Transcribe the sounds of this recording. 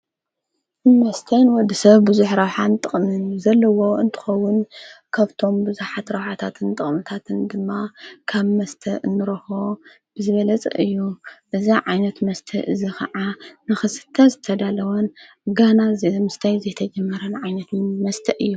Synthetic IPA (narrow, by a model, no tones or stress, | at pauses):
mɐst̪ʰɐjnwɔd̪ːisɐβbɨzuħɾɐwħant̪ʼɨχʼmɨnuzɐlːɐwo̞ʔɨnt̪ʰɨ̥xɐwːʊnkʰaβt̪ʰo̞mbɨzuħat̪ɾɐwħat̪ʰat̪ʰɨnt̪ʼɨχʼmɨt̪ʰat̪ʰɨnd̪ɨmːakʰaβmɐst̪ʰɐʔɨnːɨɾɐho | bɨzɨβɐlɐt͡sʼɐ̰ʔɨjːuʔɨziʕajnɐt̪mɐst̪ʰɐʔɨzikʰɐʕanɨxɨsɨ̥t̪ʰːɐzɨt̪ʰɐd̪alɐwɐn | ɡanazmɨst̪ʰɐjzɐjt̪ʰɐd͡ʒɐmːɐɾɐnʕajnɐt̪mɐst̪ʰɐʔɨjːu